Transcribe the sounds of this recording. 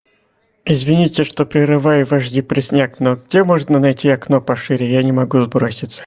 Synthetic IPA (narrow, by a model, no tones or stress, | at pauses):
ɪzvʲɪnʲitʲɪʂt̪o̞pɾʲɪɾɨvajvɐʐdʲipɾʲɪsʲnʲaknoɡ̚dʲe̞moʐnənɐjtʲiɐknopɐʂɨɾʲɪjanʲɪmɐɡuzbɾosʲɪt̪sə̥